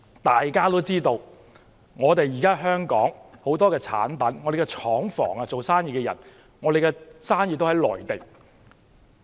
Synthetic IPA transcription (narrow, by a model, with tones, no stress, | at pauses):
t̪aː˨jkaː˥t̪o˥wt͡siː˥t̪o˧w | ŋɔː˨˧t̪e˨jiː˨˩kaː˥ɦœː˥ŋkɔː˨˥ŋho˨˥wt̪ɔː˥kɛː˧t͡sʰa̰ː˨˥npɐ˨˥nŋɔː˨˧ɾe˨jkɛ˧t͡ʃʰɔː˨˥ŋfɔ̰ː˨˩ŋa˧t͡so˨wsaː˥njiː˨˧kɛː˧jɐ̰˨˩n | ŋɔː˨˧ɾe˨jkɛ˧saː˥njiː˨t̪hɐ˨˥jlɔ̰ː˨˩jt̪e˨˩ŋ